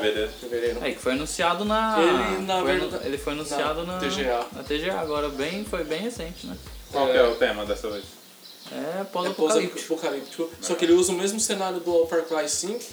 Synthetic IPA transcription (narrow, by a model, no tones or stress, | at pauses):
veɾeɾeveɾeɾ̃aikɪ̥fojanũsiad̪ʊnɐlɪnɐeɾḛlɪfojanũsiad̪ʊnɐt̪eʒeanɐt̪eʒeaːɡɔɾɐbẽj̃fojbẽj̃hesẽnt͡ʃɪnɛkwawkɪɛʊt̪ẽmɐd̪ɛsɐvejs | ɛ̰pɔzɐpoɔkalit͡ʃpokalipt͡ʃikʊsɔkɪelɪuzɐʊmezmʊsenaɾjʊd̪ʊawfeɾklajsĩk